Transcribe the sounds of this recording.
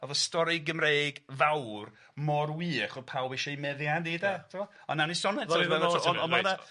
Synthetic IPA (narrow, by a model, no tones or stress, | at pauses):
ɔvɔstɔɾɪɡəmreːɡvawr | mɔrwiːχɔpʰawbeʃɔimɛðjadidatʰɪmɔ | ɔnːanisɔnɛɛvɔtɔɔaða